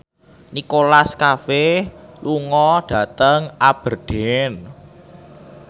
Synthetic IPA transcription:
nikolaskafehluŋɔɖ̥ä̤t̪əŋʔab̥ərɖ̥en

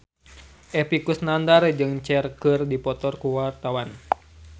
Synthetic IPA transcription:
ʔɛpikusnandard͡ʒɨŋt͡ʃɛrkɨrdipɔt̪ɔrkuwart̪awan

